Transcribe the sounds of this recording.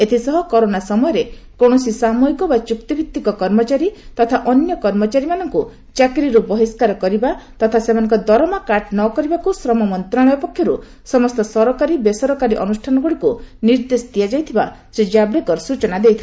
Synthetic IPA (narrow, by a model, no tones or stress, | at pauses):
et̪ʰisɔɦɔkɔɾonasɔmɔjɔɾekoɽ̃ɔsisamɔjkɔbat͡ʃukt̪ibʱit̪ːikɔkɔɾmɔt͡ʃaɾit̪ɔt̪ʰaʔɔnjɔkɔɾmɔt͡ʃaɾimanɔŋku | t͡ʃakɾiɾubɔɦiskaɾɔkɔɾibat̪ɔt̪ʰasemanɔŋkɔd̪ɔɾɔmakaɾʈnɔkɔɾibakusɾɔmɔmɔnt̪ɾaɽ̃ɔjɔpɔkʰjɔɾu | sɔmɔst̪ɔsɔɾɔkaɾibesɔɾɔkaɾiʔɔnusʈʰanɔɡuɽikuniɾd̪esɔ̥t̪ijad͡ʒajt̪ʰibasɾid͡ʒabɽekɔɾsut͡ʃɔnad̪ejt̪ʰi